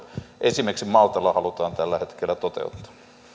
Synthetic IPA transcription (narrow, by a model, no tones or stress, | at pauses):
ʔesimeksimɑlt̪ɑlːɑhɑlut̪ɑːnt̪ælːæhet̪kelːˑæt̪ot̪ḛut̪ːɑ̥